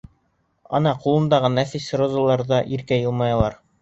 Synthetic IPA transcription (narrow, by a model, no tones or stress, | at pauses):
ɑ̰nɑqulˠɤ̆nd̪ɑʁɤnæθisrŏzɑlˠɑɾðɑʔiɾkæjɤ̆lˠmɑjɑlˠɑɾ